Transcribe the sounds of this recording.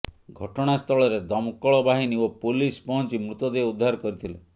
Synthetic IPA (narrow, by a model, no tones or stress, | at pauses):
ɡʱɔʈɔɽ̃ast̪ʰɔɭɔɾed̪ɔmkɔɭɔbaɦiniopulispɔɦɔnt͡ʃimɾut̪ɔd̪eud̪ʱːaɾɔkɔɾit̪ʰilḛ